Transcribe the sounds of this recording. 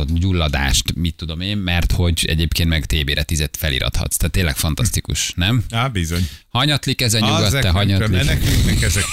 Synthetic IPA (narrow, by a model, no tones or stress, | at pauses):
oɟulːɒd̪a̰ːʃt̪mit̪ːud̪o̞meːmːɛrt̪ho̞ɟɛ̰ɟeːpkeːnmɛɡt̪eːbeːɾʔɛt̪izɛt̪fɛlḭɾɒ̰t̪hɒ̰t̪st̪aːt̪ːeːlːɛkfɒnt̪ɒst̪ikṵʃnɛmabizoɲhɒɲɒt̪likɛzɛɲuɡɒt̪ːɛɦɒɲɒt̪linɛkiknɛkɛzɛk